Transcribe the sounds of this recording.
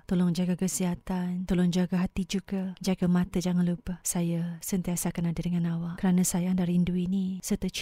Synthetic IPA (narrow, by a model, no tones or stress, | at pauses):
t̪olɔŋd͡ʒaɡakəsiɦat̪ant̪ɔlɔŋd͡ʒaɡaɦat̪id͡ʒuɡad͡ʒaɡamãt̪əd͡ʒaŋanlubəhsajəsənt̪iasaakanadədəŋãnawaʔkəɾanə̃sajaandahrinduinisərt̪ət͡ʃ